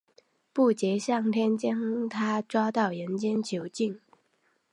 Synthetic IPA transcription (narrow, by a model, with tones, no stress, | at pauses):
pu˥˩t͡ɕjɛ˧˥ɕjɑ˥˩ŋt̪ʰjɛ˥nt͡ɕjɛ˥n˥ŋt̪ʰa˥ʈ͡ʂwɑ˥ʊt̪ɑ˥˩ʊjə˧˥nt͡ɕjɛ˥nt͡ɕʰjo˧˥ʊt͡ɕi˥˩ŋ